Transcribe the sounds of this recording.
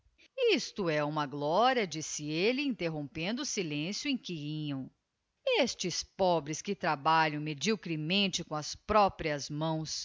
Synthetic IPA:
ist̪ʊɛũmɐɡlɔɾiɐd͡ʒisɪelɪĩnt̪eɦõw̃pẽnd̪ʊːsilẽsjʊẽj̃kiiɲɐ̃w̃ | est͡ʃɪspɔbɾɪskɪt̪ɾabaʎɐ̃w̃med͡ʒiwkɾimẽnt͡ʃɪkõɐspɾɔpɾiɐzmɐ̃w̃s

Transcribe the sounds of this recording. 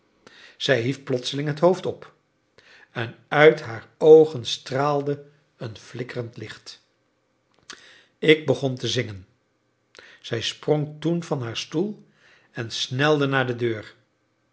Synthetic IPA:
z̥ɛjɦifplɔtsəlɪŋɦətɦowftɔp | ɛnœɥtɦaːɹowχənstraːlˠdə | ənflɪkərəntlɪχt | ɪɡ̚bəχɔntəzɪŋən | z̥ɛjsproŋtunvɑnɦaːɹstulˠ | ɛnsnɛlˠdənaːɹdədøːɹ

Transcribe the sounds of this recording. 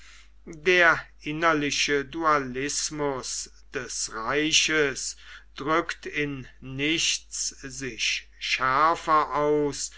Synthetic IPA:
deːɐʔɪnɐlɪʃədualɪsmʊs | d̥ɛsʁaɪɕəsd̥ʁʏktʰɪnːɪʃszɪʃ | ʃæɐfɐʔaʊs

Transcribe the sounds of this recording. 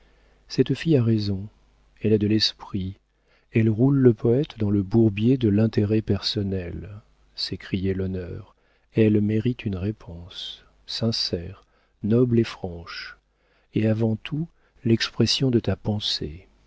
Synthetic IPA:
sɛt̪fijaʁezɔ̃ | ɛlɛd̪əlɛspχi | ɛlʁulːəpʰɔɛt̪d̪ɑ̃ləbuʁbjed̪əlɛ̃t̪eʁɛpɛʁsɔnɛl | sekχijɛlɔnœʁ | ɛlmeʁit̪ʰynʁepʰɔ̃sː | ɛ̃sɛʁ | nɔblefχɑ̃ʃ | eavɑ̃t̪ʰu | lɛkspχesjɔ̃d̪ət̪apɑ̃sḛ

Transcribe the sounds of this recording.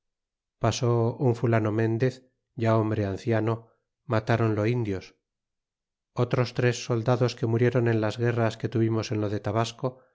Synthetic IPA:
pasouɱfulanomẽ̞nd̪e̞θ | ɟ͡ʝao̞mbɾe̞anθjano̞ | mat̪aɾo̞nlo̞ind̪jos | ot̪ɾo̞st̪ɾe̞sːo̞ld̪aðo̞ske̞muɾje̞ɾo̞ne̞nlazɣe̞raske̞t̪uβimo̞se̞nlo̞ðe̞t̪aβasko

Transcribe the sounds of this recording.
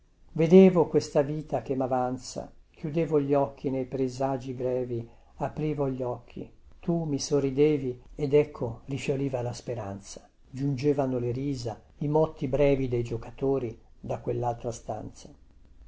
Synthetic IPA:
ved̪eːvokwest̪aviːt̪akemːavant̪sa̰k̟ʰjud̪eːvoʎːɔkʰːinejpɾezad͡ʒibɾɛːvi | apɾiːvoʎːɔkʰːḭ | t̪umisorːid̪eːviɛd̪ɛkʰːorifjoliːvalaspeɾant̪sḁ | d͡ʒund͡ʒeːvanoleɾiːza | imɔt̪ːibɾɛːvid̪ejd͡ʒokat̪oːɾid̪akːwelːalt̪ɾast̪a̰nt̪sḁ

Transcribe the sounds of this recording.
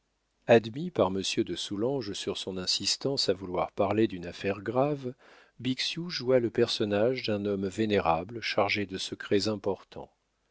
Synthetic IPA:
ad̪mipaʁməsjød̪əsulɑ̃ʒsyʁsɔ̃nɛ̃sist̪ɑ̃savulwaʁpaʁled̪ynafɛʁɡʁav | biksjuʒualəpɛʁsɔnaʒd̪ɛ̃nɔmveneʁablʃaʁʒed̪əsəkχɛzɛ̃pɔʁt̪ʰɑ̰̃

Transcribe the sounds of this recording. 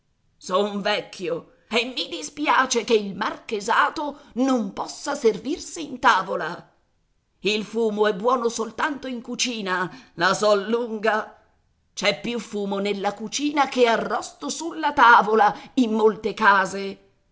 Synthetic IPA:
sɔuɱvɛkʰʲːjo | emːid̪ispjaːt͡ʃekeilmarkezaːt̪onompɔsːaservirsiːnt̪aːvola | ilfuːmoɛbːwɔːnosolt̪ant̪oiŋkut͡ʃiːnalasɔlːuŋɡa | t͡ʃɛpːjufuːmonelːakut͡ʃiːnakearːɔst̪osulːat̪aːvolaimːolt̪ekaːze

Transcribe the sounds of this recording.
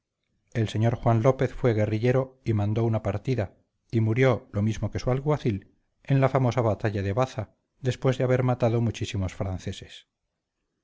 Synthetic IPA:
e̞lse̞ɲo̞ɾxwanlo̞pe̞θfwe̞ɣ̞e̞riʎe̞ɾo̞imãnd̪o̞unapaɾt̪iða | imuɾjo̞lo̞mizmo̞ke̞sualɣwaθil | e̞nlafamo̞saβat̪aʎaðeβaθa | ðe̞spwe̞zðeaβe̞ɾmat̪aðo̞mut͡ʃisimo̞sfɾanθe̞se̞̥s

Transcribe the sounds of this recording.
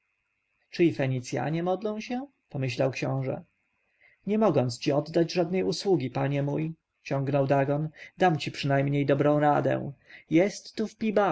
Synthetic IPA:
t͡ʂɘifɛɲit̪sʲja̰ɲɛmɔd̪lɔ̃w̃ɕɛ | pɔmɘɕlawkɕɔ̃w̃ʐɛ̰ | ɲɛmɔɡɔnt̪st͡ɕiɔd̪ːad͡ʑʐad̪̚nɛjuswuɡʲipaɲɛmuj | t͡ɕɔŋɡnɔwd̪aɡɔnd̪amt͡ɕipʂɘnajmɲejd̪ɔbɾɔ̃w̃ɾad̪ɛ̰̃jɛst̪ːufpʲiba

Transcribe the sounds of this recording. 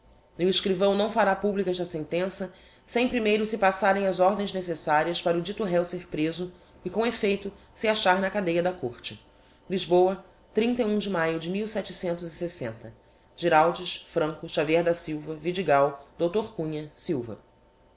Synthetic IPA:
nʊɪʃkɾivɐ̃w̃nɐ̃w̃faɾapublikɛʃd̪ɐsẽnt̪ẽsɐ | sẽj̃pɾimejɾʊsɪpasaɾẽj̃ɐzɔɾd̪ẽj̃ʒnesesaɾiɐʃpaɾɐʊd͡ʒit̪uɦɛwseɾpɾezʊ | ɪkõefejt̪ʊ | sɪaʃaɾnɐkad̪ejɐd̪ɐkoɾt͡ʃɪ | liʒbowɐ | t̪ɾĩnt̪ɐiũd͡ʒɪmajʊd͡ʒɪmiwsɛt͡ʃɪsẽnt̪ʊzisesẽnt̪ɐ | ʒ̥iɾawd͡ʒɪʃfɾɐ̃ŋkʊʃaviɛɾd̪ɐsiwvɐvid͡ʒiɡawd̪owt̪oɾkũɲɐsiwvɐ̰

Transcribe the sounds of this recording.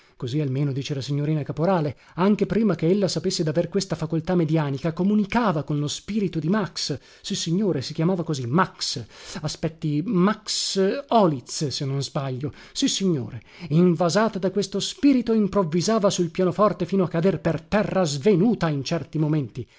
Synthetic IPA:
kozialmeːnod̪iːt͡ʃelasiɲːoɾiːnakapoɾaːle | aŋk̟epɾiːmakeelːasapesːed̪averkwest̪afakolt̪amːed̪jaːnikakomunikaːvakonlospiːɾit̪od̪imaksː | isːiɲːoːɾesikʲjamaːvakozimaksaspɛt̪ːimaksɔːlit̪ssenːonzbaʎːo | sisːiɲːoːɾe | iɱvazaːt̪ad̪akwest̪ospiːɾit̪oimpɾovːizaːvasuilpjaːnofɔrt̪efiːnoakːad̪erpert̪ɛrːazvenuːt̪aint͡ʃɛrt̪imoment̪i

